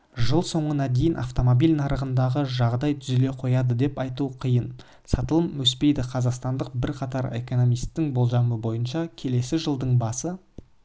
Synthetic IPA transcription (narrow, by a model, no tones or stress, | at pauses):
ʒəlˠso̞ɴənɑd̪e̞jɪnʔɑ̰ft̪o̞mo̞bilʲnɑɾəʁənd̪ɑʁəʒɑʁd̪ɑjt̪ʰʏzle̞qʰo̞jɑd̪əd̪e̞pɑjt̪uqʰijən | sɑt̪əlˠəmwɵspe̞jd̪ɪqʰɑzɑqst̪ɑnd̪əq̚bɪɾqʰɑt̪ɑɾe̞̰ko̞no̞mijst̪ːɪŋbolˠʒɑməbo̞jənʃɑkʲʰe̞le̞sɪʒəlˠd̪əɴbɑsə